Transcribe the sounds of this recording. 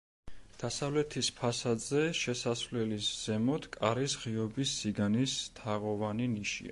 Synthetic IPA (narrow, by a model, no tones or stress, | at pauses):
d̪̥asavlɛt̪ʰispʰasad̪zɛʃɛsasvlɛlisz̥ɛmɔt̪ʰkʼaɾisʁiɔbisːiɡanist̪ʰaʁɔvaniniʃḭa̰